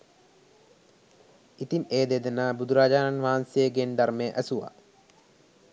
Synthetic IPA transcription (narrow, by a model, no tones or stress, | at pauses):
it̪imeːd̪ed̪enabud̪uɾaːd͡ʒaːnanʋaɦansejəɡend̪aɾmeːʔæsuʋa̰